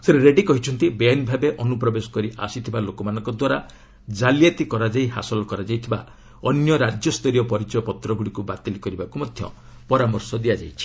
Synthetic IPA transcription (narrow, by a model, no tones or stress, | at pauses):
seɾeɾeɖikɔɦit͡ʃʰɔnt̪ibeanbʱabeʔɔnupɾɔbesɔ̥kɔɾiʔa̰sit̪ʰibalokɔmanɔ̃ŋkɔd̪waɾa | d͡ʒaljat̪ikɔɾad͡ʒaiɦa̰sɔlɔkɔɾad͡ʒajt̪ʰiba̰ | ɔnjɔɾad͡ʒjɔst̪ɔɾijɔpɔɾit͡ʃɔjɔpɔt̪ɾɔɡuɽikubat̪ilikɔɾibakumɔd̪ʱjɔ̰ | pɔɾamɔɾsɔd̪iad͡ʒa̰jt͡ʃʰi̥